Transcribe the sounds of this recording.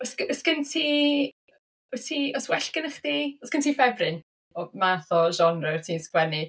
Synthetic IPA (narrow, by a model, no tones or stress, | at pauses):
ɔsɔsɡ̥əntʰiː | ɔtʰiːɔswɛɬkɪnəχdiɔsɡ̥əntʰiːfɛbrɪn | ɔmaθɔʒɔnrɛtʰiːnskwɛni